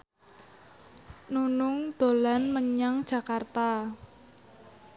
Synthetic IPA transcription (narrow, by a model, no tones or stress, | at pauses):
nunʊŋd̪̥o̤lanməɲaŋd̥ʒ̥ä̤kart̪a